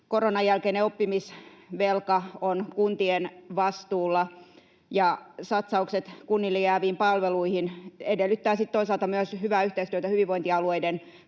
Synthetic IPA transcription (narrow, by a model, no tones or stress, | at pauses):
koronɑjjælkeineopːimisʋelkɑonkunt̪ienʋɑst̪uːlːɑ | jɑsɑt̪sɑukset̪kunːilːijæːʋiːmpɑlʋeluihinedelːyt̪ːæːsit̪t̪oisɑlt̪ɑmyøshyʋæːyht̪eist̪yøt̪æhyʋiʋʋoint̪iɑlueiden